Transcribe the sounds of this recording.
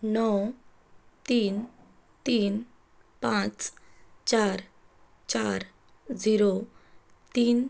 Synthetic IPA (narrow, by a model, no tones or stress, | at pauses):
nɔw | t̪iːn | t̪iːn | pãt͡st͡ɕaɾ | t͡ɕaɾ | d͡ziɾo | t̪iːn